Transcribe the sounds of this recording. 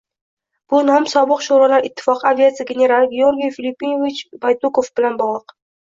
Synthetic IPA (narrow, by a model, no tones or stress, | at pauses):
b̥ʊnɒmsɒbɨqʃuɾalaɾɪt̪ʰːɪ̥fɒqavʲiat̪sɨjaɡʲenʲeɾalˠɡʲeo̞ɾɡʲijfʲilʲipʲːinovit͡ʃbajt̪ukofbɪlanbɒʁlˠəq